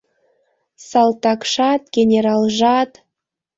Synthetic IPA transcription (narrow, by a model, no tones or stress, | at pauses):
sɑlt̪ɑkʃɑt̪ɡʲenʲeɾɑlʒɑt̪